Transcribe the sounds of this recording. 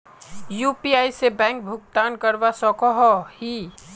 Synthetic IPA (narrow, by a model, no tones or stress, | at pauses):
juːpiaːisebɛ̃ːŋk̚bʱʊɡ̚t̪aːnkəɾʋasɔkɔɦɔhi